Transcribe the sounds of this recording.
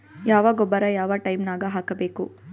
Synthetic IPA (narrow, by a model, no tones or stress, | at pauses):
jaːʋaːɡɔbːɐɾɐjaːʋɐʈɐjmnaːɡɐɦaːkɐbeːku